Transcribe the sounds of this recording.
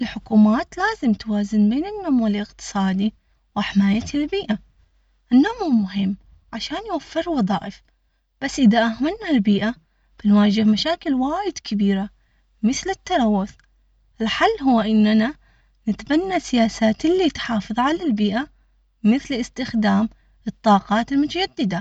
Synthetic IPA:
ʔɪlħʊkuːmaːt̪laːzɪmt̪waːzɪnbeːnɪnːaːmwɪlɪqt̪ɨ̥sˤɑːd̪i | wɪħɪmaːjat̪lbiːʔa | ʔɪnːaːmhumʊɦɪmː | ʕaʃaːnjwafːɪɾwɑðˤɑ̰ːʔɪf | b̥asːʔɪðaʔahmanːalbiːʔa | b̥ɪnwaːd͡ʒɪhmaʃaːkɪlwaːjɪd̪̥kɪbiːɾa | mɪθlɪt̪ːɑɾˤɑwːʊθ | ʔɪlħalːɦʊwːaʔɪnːana | nɪt̪banːasɪjaːsaːt̪ɪlːit̪ħɑːfɨðˤʕalalbiːʔa | mɪθlɪst̪ɪxd̪aːm | ɨt̪ˤːɑːqɑːt̪ɪlmʊt̪ad͡ʒad̪ːɪd̪a

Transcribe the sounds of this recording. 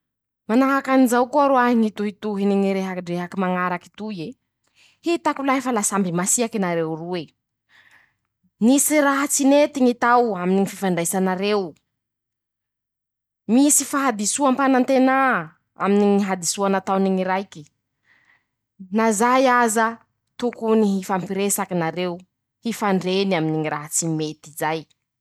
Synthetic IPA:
manaɦakanizawkuaɾoaɦiŋit̪uɦit̪uɦiniŋiɾeɦaɖ͡ʐeɦakimaŋaɾaki̥t̪ue | hit̪akulaɦifalasambimasiakinaɾewrue | nisiɾaɦat͡sinet̪iŋit̪awaminiŋififaɳɖ͡ʐajsanaɾew | misifaɦad̪isuampanant̪ena | a̰miniŋiɦad̪isuanat̪awniŋiɾajki̥ | nazajaza | t̪ukuniɦifampiɾesakinaɾewu | hifaɳɖ͡ʐenaminiŋiɾaɦat͡simet̪izaj

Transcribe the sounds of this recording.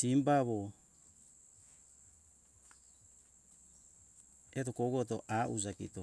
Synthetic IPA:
simbaβo | etokoɡot̬oʔaʔuzakḭto

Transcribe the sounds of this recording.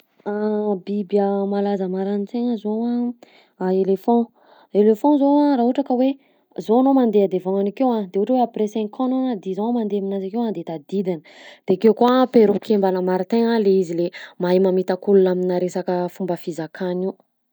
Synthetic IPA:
abibjəmalazəmaɾanit͡seɲəzowa | aelefɔ̃ | elefɔ̃zoaraːɦuʈ͡ʂakəwe | zoanomand̪ead̪evaŋanakewad̪euʈ͡ʂəweapɾesɛ̃ŋkʰɔnad̪ezãmand̪eaminazakewand̪et̪ad̪id̪inəd̪̥eakewkoapeɾupi̥kembanəmaɾit̪eŋaleizilemajimamit̪akulunaminaɾesakəfumbəfizakʰaniw

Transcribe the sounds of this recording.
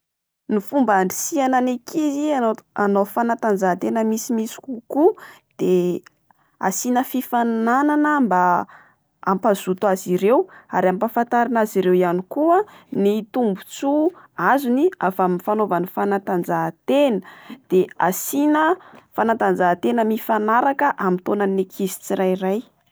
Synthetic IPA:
nifumbaɳɖ͡ʐisiananekʰizianofanat̪and͡zat̪enəmisimisi̥kukud̪̥e | a̰sinəfifannananəmba | ampaz̥ut̪aziɾewaɾampafant̪aɾinaziɾewjanikuənit̪umbut͡su | azuniafamifanovanifanat̪and͡zat̪enəd̪̥easinəfanat̪and͡zat̪enəmifanaɾakəʔamint̪onanekʰizi̥t͡siɾajɾaj

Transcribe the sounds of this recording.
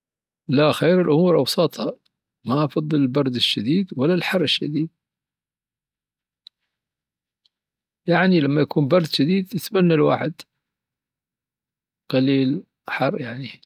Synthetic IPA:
laxeːɾɪlʔʊmuːɾʔɑwsˤɑːt̪ˤhɑ | maʔɑfɑðˤːɨlɪlbɑɾˤd̪ɪʃːad̪iːd̪walːalħɑrˤːɪʃːad̪iːd̪̚ | jaʕnilamːajakuːmbɑɾˤd̪ʃad̪iːd̪jɪt̪manːalwa̰ːħɪd̪ | qɑliːl | ħɑrˤːjaʕni

